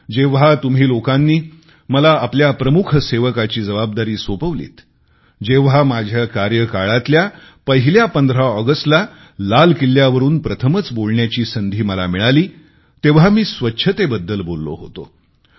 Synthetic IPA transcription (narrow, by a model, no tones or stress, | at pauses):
d͡ʑeʋɦat̪um̤iːlokanːiː | məlaːpljapɾəmukʰəseʋəkat͡ɕiːd͡zəʋab̚d̪aɾiːsopəʋlḭːt̪ | d͡ʑeʋɦamad͡ʑʱjakaɾjəkaɭat̪lja | pəɦiljapənd̪ɾaɔɡəsʈla | lalkilːjaʋəɾuːnpɾət̪ʰəmət͡sbolɳjat͡ɕiːsənd̪ʱiːməla̰miɭaliː | t̪eʋ̤amiːsʋətːɕʰət̪ebəd̪ːəlbolːo̰ɦo̰t̪o̰